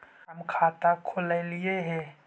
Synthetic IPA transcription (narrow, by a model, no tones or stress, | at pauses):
ɦɐmkʰaːt̪akʰʊlelɪeɦɛ̃ː